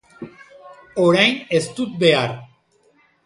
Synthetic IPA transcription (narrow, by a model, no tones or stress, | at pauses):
oɾajne̞st̪ut̪̚be̞aɾ